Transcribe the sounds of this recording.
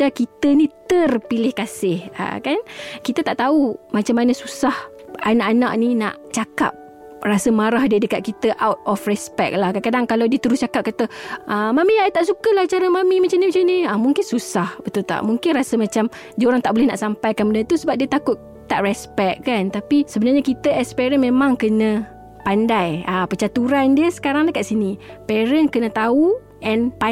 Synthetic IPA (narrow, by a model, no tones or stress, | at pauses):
t̪akit̪ənĩt̪ərpilɪhkasɪha̰kankit̪at̪aʔt̪aumat͡ʃamːanəsusah | anaʔanaʔnina̰ʔt͡ʃaka̰p̚ | rasəmaɾahdiədəkat̪̚kit̪əʔawt̪̚ɔfrɛspɛk̚lahkankadaŋkalawdiət̪əɾʊst͡ʃakap̚kat̪əʔəmamiat̪aʔsukəlaht͡ʃaɾamamimat͡ʃamnimat͡ʃamniamuŋkɪnsusahbət̪ult̪a̰ʔmuŋkɪnrasəmat͡ʃam | d͡ʒioɾaŋt̪aʔbolɛhna̰ʔsampajkanmənət̪usəbap̚diət̪akʊt̪̚ | t̪ːaʔrɛspɛk̚kant̪apisəbənarɲakit̪əʔɛspɛɾənmẽmãŋkənə̃ | pandajapət͡ʃat̪uɾandiəsə̥kaɾaŋdakaʔsinipɛɾənkənə̃t̪au | ʔɛnpa